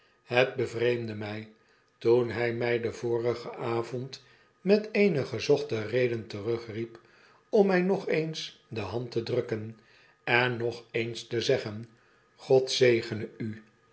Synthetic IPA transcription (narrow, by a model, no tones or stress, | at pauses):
həd̚bəvrejmdəmɛj | tunɦɛjmɛjdəvʊːrəχəʔaːvɔnt | mɛteɪnəχəzɔχtərejdəntərøχrip | ɔmɛjnɔχejnsdəɦɑntədrɵkən | ɛnːɔχejnstəzɛχən | χɔtsejχənəy